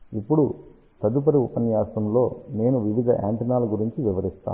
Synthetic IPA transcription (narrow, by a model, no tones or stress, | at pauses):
ipːuɽu | sɐd̪up̬ɐɾiupɐnjaːsɐmlo̞ːne̞ːnuʋiʋid̪ʱɐ̰ʔa̰ːɳʈinaːluɡuɾiɲt͡ʃiʋiʋɐɾist̪a̰ː